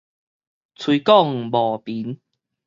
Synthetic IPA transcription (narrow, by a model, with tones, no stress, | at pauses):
t͡sʰwi˧˦kɔ˥˨ŋ˨bɔ˨˩pi˨˦n